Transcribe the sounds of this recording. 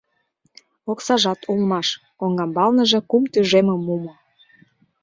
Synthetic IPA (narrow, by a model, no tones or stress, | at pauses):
oksɑʒɑt̪ʰulmɑʃ | koŋɡɑmbɑlnəʒĕkumt̪yʒeməmːumo